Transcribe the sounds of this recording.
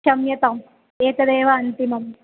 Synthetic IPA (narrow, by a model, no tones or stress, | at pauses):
ɐmjɐt̪ɐm | eːk̪ɐd̪eːʋɐːnt̪imɐm